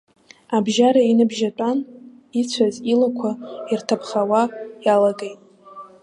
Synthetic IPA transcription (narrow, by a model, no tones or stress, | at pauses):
abʒaɾainɨbʒatʷʼan | it͡ɕʷʰazilakʷʰairtʰapʰχawajalaɡejtʼ